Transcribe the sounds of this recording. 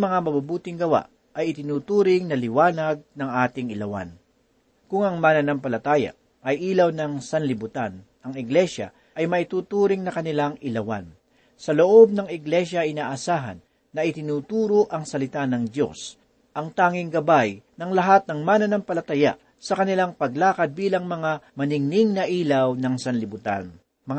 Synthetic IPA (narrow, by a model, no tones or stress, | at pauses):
mɐŋamɐbabuːt̪ɪŋɡɐwa̰ʔ | ɐjɪt̪ɪnuːt̪uːɾɪŋnɐlɪwaːnɐɡ̚nɐŋʔaːt̪ɪŋɪlɐwa̰n | kʊŋɐŋmaːnɐnɐmpɐlɐt̪aːjɐ̰ | ʔɐjʔiːlɐwnɐŋsɐnlɪbʊt̪an | ɐŋɪɡlɛʃɐ̰ | ʔɐjmɐɪt̪uːt̪uːɾɪŋnɐkɐnɪlaŋɪlɐwa̰n | sɐloʔo̞b̚nɐŋɪɡlɛʃɐʔɪnaːʔɐsaːɦɐ̰nː | ɐɪt̪ɪnuːt̪uːɾoʔɐŋsɐlɪt̪anɐŋd̪jo̞̰s | ʔɐŋt̪aːŋɪŋɡɐbajnɐŋlɐɦat̪̚nɐŋmaːnɐnɐmpɐlɐt̪ɐja̰ʔ | sɐkɐnɪlaŋpɐɡlaːkɐd̪̚biːlɐŋmɐŋamɐnɪŋnɪŋnɐʔiːlɐwnɐŋsɐnlɪbʊt̪a̰n | mɐ